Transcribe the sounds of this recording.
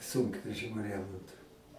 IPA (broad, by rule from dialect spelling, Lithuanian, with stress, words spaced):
ˈsʊŋkʋʲɛʒʲɪmʲʊ ˈrʲæːmoːntʊ